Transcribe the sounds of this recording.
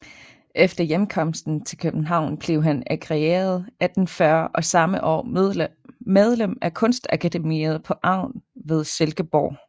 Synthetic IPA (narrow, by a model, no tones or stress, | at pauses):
ʔefd̥ɐjemkʰɒ̽m̰sd̥n̩t͡sʰe̝lkʰøb̥n̩ɦɑ̈ʊ̰nb̥le̝ʊɦænæɡ̥ʁɛḛːɐð̞̩ˠæd̥n̩fɶɐʔɒ̽sɑ̈məʔɒ̰ː | með̞ˠlem̰ækʰɔ̽nsd̥ækʰæd̥e̝mḭɐð̞̩ˠpʰɒ̽ʔɑ̈ʊ̰nʋe̝ð̞ˠselɡ̥əb̥ɒː